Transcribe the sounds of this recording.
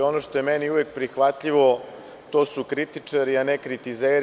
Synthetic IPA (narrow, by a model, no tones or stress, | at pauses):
o̞noʃt̪o̞jemɛniuʋek̚pɾixʋat̪ʎiʋo̞ | t̪o̞sukɾit̪it͡ʂaɾianekɾit̪izeːɾ